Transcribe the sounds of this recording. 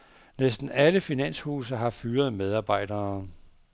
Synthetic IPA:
nesd̥n̩æləfinæn̰shuːs̬ɐɦɑ̈fyːɐð̞̩ˠmeð̞ˠɑ̈ːb̥ɑ̈ɪ̰d̥ɐː

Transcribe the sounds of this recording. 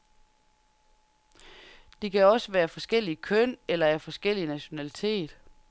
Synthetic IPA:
d̥e̝kʰæɒ̽səʋæːɐfɒ̽sɡ̥el̰ikʰœn̰elɐæɐfɒ̽sɡ̥el̰inæɕo̝nælit͡sʰe̝̰ːd̥

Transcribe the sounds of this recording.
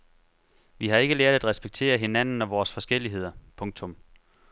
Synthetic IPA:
ʋiɦhɑ̈e̝ɡ̥əleɐ̰d̥æd̥ʁɛsb̥eɡ̥̚t͡sʰe̝̰ːɐɦe̝næn̰n̩ɒʋɒːsfɒ̽sɡ̥el̰iɦe̝ð̞̰ˠɐpʰɔ̽ŋ̚t͡sʰɔ̽m

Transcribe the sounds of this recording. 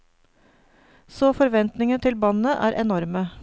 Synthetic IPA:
soːfɔɾʋɛnt̪nɪŋət̪ʰɪlbɑnəʔæ̰ːɾʔɛnɔɾmə

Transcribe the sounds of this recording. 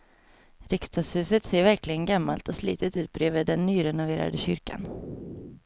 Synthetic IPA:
ɾɪkst̪ʰɑːshʉ̟ːsət̪seːɾvæɾklɪɡənɡamːalt̪ɔslḭːt̪ət̪ʉ̟ːt̪̚bɾeːvəːd̪ɛnːyːɾɛnʊveːɾa̰d̪əɕʏɾka̰n

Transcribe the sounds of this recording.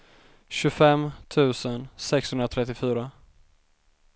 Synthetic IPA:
ɕɵfɛmt̪ʰʉ̟ːsənsɛkshɵnɾat̪ʰɾɛt̪ːɪfyːɾa

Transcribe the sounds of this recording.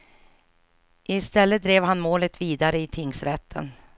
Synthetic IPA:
ʔɪst̪ɛlːəd̪ɾeːvɦanmoːlət̪viːd̪aɾəɪt̪ʰɪŋsɾɛt̪ʰːə̰n

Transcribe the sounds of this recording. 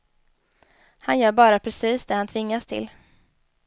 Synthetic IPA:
hanjœːɾbɑːɾapʰɾɛsiːsd̪ɛːhant̪ʰvɪŋːast̪ʰɪ̰l

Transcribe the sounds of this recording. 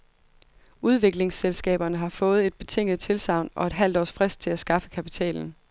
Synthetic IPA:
uð̞ˠʋe̝ɡ̥le̝ŋselsɡ̥ɛ̰ːb̥ɐnəɦɑ̈fɔ̽ːð̞̩ˠe̝d̥̚b̥e̝t͡sʰe̝ŋ̰ð̩ˠt͡sʰe̝lsɑ̈ʊ̰nɒ̽e̝d̥ɦæl̰d̥ɒ̰ːsfʁɛsd̥̚t͡sʰe̝læsɡ̥ɑ̈fə̥kʰæpi̥t͡sʰɛ̰ːln̩

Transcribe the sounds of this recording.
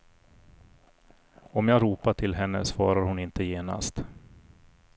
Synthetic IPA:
ɔmjaːɡɾuːpaʈʰɪlɦɛnːə̰svɑːɾaɾhʊnɪnt̪əjeːna̰st̪

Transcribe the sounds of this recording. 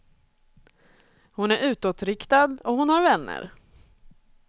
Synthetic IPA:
hʊnæɾʉ̟ːt̪ɔt̪ɾɪkt̪ad̪ɔhʊnhaɾvɛnːə̰ɾ

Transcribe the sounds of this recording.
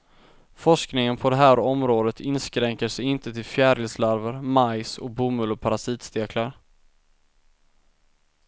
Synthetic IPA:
fɔʂknɪŋənpʰɔd̪ɛɦæːɾɔmɾoːd̪ət̪ʰɪnskɾɛŋkəʂɛjɪnt̪ət̪ʰɪlfjæːɖɪlslaɾvəɾmajsɔ̰kbuːmɵlʊpʰaɾasiːt̪st̪eːkʰlaɾ

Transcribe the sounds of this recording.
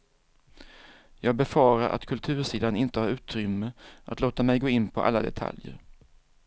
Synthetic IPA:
jɑːɡ̚bɛfɑːɾaɾʔa̰t̪kʰɵlt̪ʰʉ̟ːʂiːd̪anɪnt̪əhaɾʉ̟ːt̪ɾʏmːəʔa̰t̪loːt̪amɛjɡoːɪnːpʰɔʔa̰lːad̪ɛ̰t̪ʰa̰ljə̰ɾ

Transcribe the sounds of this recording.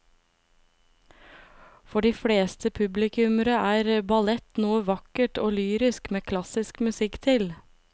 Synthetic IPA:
fɔɖiːfɽeːst̪ʰəpʰʉblɪkʰʉməɾəʔæːɾbɑlɛt̪noːəʋɑkəʈoːlyːɾɪskmeːkʰlɑsɪskmʉsɪkt̪ʰɪl

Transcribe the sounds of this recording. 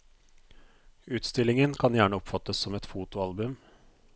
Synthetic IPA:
ʉːt̪st̪ɪlɪŋənkʰɑnjæːɳəɔpfɑt̪ːəsːɔmɛt̪fuːt̪ʊɑlbʉm

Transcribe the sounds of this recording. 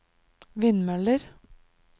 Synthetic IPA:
ʋɪnmɛləɾ

